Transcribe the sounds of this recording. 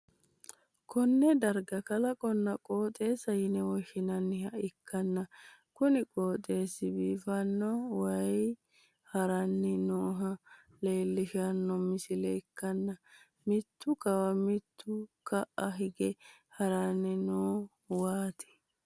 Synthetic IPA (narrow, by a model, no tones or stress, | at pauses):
kʰɔnːɛd̪ɐɾɡɐkɐlɐkʼɔnːɐkʼoːt̪ʼe̞ːsɐhɪnɛwɔʃɪnɐnːɪhɐʔɪkʰːɐnːɐkʊnɪkʼoːt̪ʼe̞ːsɪbiːfɐnːɔwɐj | hɐɾɐnːɛnoːɦɐ | le̞ːlːɪʃɐnːɔmɪsɪlɛɪkːɐnːɐ | mɪt̪ːʊkɐwɐmɪt̪ːʊkɐʔɐɦɪɡɛhɐɾanːɛnoː | waːt̪ɛ̥